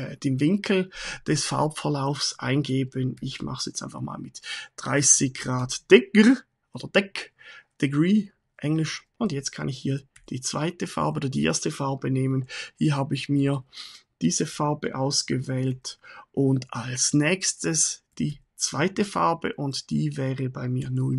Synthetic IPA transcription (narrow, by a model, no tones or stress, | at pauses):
d̥eːmvɪŋkʰl̩d̥ɛsfa̰ɐpfɛɐlaʊfsʔa̰ɪnɡeːbənɪçmʔa̰χsjɛt͡sta̰ɪnfaχma̰ːlmɪtd̥ʁaɪsɪçɡ̥ʁaːtd̥ɛk | ʔoːd̥ɐd̥ɛkd̥eɡʁiː | ʔɛŋlɪʃʔʊndjɛt͡st̚kʰa̰nɪçhiːɐ | d̥iːt͡sv̥aɪtəfa̰ɐbəʔoːdɐdiːʔḛɐstəfaɐbəneːmənhiːɐɦaːbəɪçmiːɐd̥iːzəfaɐbə̰ʔaʊsɡ̥əvɛːltʔʊntalsnɛːçstəsd̥iː | t͡sv̥aɪtəfa̰ɐbə̰ʔʊntd̥iːvɛːʁəbaɪmiːɐnʊ